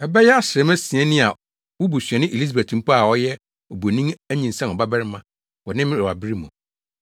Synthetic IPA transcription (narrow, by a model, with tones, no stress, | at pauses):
ɛ˨bɛ˦jɛ˦a˦ɕɪ˨ɾɛ˨˦mɛ̃˦sĩ˨ɛ̃˦nĩ˦a˨ | wʊ˦bu˨sᶣɥɛ̃˨nɪ̃˦ʔe˨li˦s̬a˨be˨tʰũ˨m˦pa˦a˨ɔ˦jɛ˦ | o˨bo˨nĩ˦ŋæ˦ɲĩ˨n̩˨sɛ̃˦˨ɔ˨ba˦bɛ˦ɾɪ˦mã˨ | wɔ˨nɪ̃˦m˦ɔ˨a˨bi˦ɾi˦mʊ̃˨